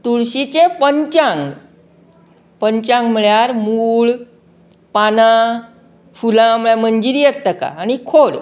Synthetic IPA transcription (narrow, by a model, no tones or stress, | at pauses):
t̪uɭɕit͡ɕepəɲt͡ɕãŋɡ | pəɲt͡ɕãŋɡm̤əɭjaɾmuɭ | pana | fulãm̤ɭjaməɲd͡ʑiɾijet̪ːəka̰ːñikʰoɽ